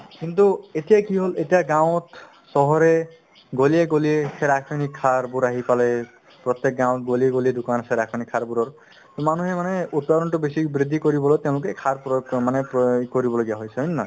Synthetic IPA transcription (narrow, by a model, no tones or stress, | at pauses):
kintuetijakiɦoletijaɡãw̃ɔt | sɔɦɔɹɛ | ɡolieɡolieseɾakʰɔnikʰːaɹbuɾaɦipalɛ | pɹɔt̪jɛk̚ɡãw̃ɔtɡolieɡoliedʊkanseɾakʰɔnikʰaɹbuɹɔɹ | t̪ɔmanuhɛmanɛut̚padɔntʊbesibɹid̪ʱikoɹibɔlojtɛʊ̃lʊk̬ɛkʰaɹpmanɛkoɹibɔloɡijaɦojsɛɦonna̰